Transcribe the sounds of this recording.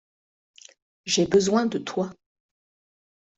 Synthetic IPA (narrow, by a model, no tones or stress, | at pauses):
ʒɛbəzwɛ̃d̪ət̪ʰwa